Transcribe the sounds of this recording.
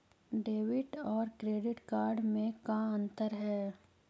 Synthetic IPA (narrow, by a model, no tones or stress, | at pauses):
ɖeːʋɪʈɔːɾkɾeːɖɪʈkaːɾɖmẽkaə̃nt̪əɾɦɛː